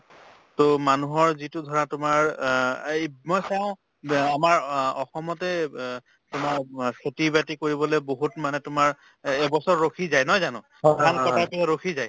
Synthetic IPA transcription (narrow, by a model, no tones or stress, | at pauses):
tomanuɦɔɹzitʊdʱɔɹatʊmaɹ | mɔjsaʊ̃ | amaɹɔxɔmɔtɛ | tʊmaɹkʰetibatikoɹibɔleboɦutmanɛtʊmaɹ | ɛbɔsɔɹɹokʰizajnɔjzanʊ̃ | kankɔtapiaɹokʰizaj